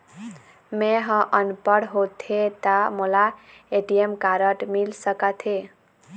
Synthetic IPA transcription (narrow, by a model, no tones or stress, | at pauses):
meɦə̃ʔənpəɽɦot̪ʰet̪amula | eʈijemkaɾəʈmilsəkət̪ʰe